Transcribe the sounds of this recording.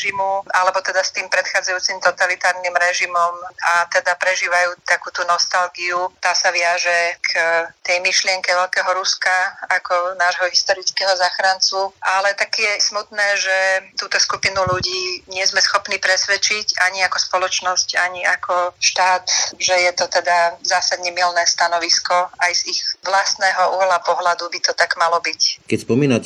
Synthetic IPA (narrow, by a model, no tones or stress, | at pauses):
ʒimuʔalɛbɔt̪ɛd̪ast̪iːmpɾɛt̪xaːd͡zajuːt͡simt̪ɔt̪alit̪aːɾnimɾɛʒimɔmat̪ɛd̪apɾɛʒiːʋajuːt̪akuːt̪unɔst̪alɡiut̪aːsaʋɪaʒɛkʰt̪ɛjmiʃlɪɛŋkɛʋɛʎkɛːɦɔɾuskaakɔnaːʒɦɔɦist̪ɔɾit͡skɛːɦɔzaːxɾant͡suʔalɛt̪akɛjɛsmut̪nɛːʒɛt̪uːt̪ɔskupinuluɟiːɲɪɛzmɛsxɔpniːpɾɛsʋɛt͡ʃicaɲiakɔspɔlɔt͡ʃnɔscaɲiakɔʃt̪aːt̪ʒɛjɛt̪ɔt̪ɛd̪azaːsad̪ɲɛmilnɛːst̪anɔʋiskɔajz̥ixʋlast̪nɛːɦɔʔuɦlapɔɦlad̪ubit̪ɔt̪aɡmalɔbickɛcspɔmiːna